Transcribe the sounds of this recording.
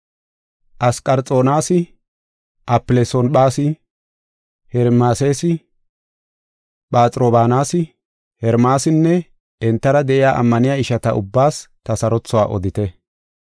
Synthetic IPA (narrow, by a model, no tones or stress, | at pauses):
ʔɐskʼɐɾt͡sʼo̞ːnaːsɪ | ʔɐpːɪlesɔnɓaːsɪ | hɛɾmaːseːsɪ | ɓaːt͡sʼɾoːbaːnaːsɪ | hɛɾmaːsɪnːɛ | ɛnt̪ːɐɾɐd̪ɛʔɪjaːʔɐ̰mːɐnɪjaːɪʃɐt̪ɐʊbːaːst̪ɐsɐɾɔt͡sːɔwaːʔɔ̰d̪ɪt̪ɛ